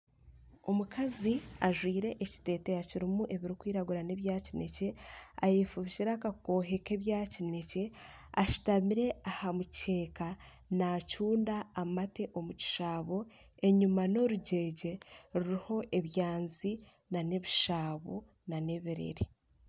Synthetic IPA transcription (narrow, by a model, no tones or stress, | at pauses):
omukʰaziaʒwiːɾe̞ʔeci̥te̞ːte̞jaciɾimuʔe̞βiɾikwiːɾaɡuɾane̞βjaːcine̞ce̞a̰jefuβiʃiɾakako̞ːɦe̞ke̞βjaːcine̞ce̞aʃu̥tamiɾe̞ahamuce̞ːka | nacuːndaːmate̞ʔo̞muci̥ʃaːβo̞ | e̞ɲumano̞ɾuɟe̞ːɟe̞ɾuɾiho̞ʔe̞βjaːnzi | nane̞βiʃaːβo̞̰ | nane̞βiɾe̞̰ɾi